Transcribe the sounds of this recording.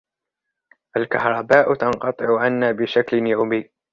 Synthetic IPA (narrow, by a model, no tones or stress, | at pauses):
ʔalkɑhɾˤɑbaːʔt̪ɑnqɑt̪ˤɨʕʊʕanːaːbɪʃaklɪnjawmiː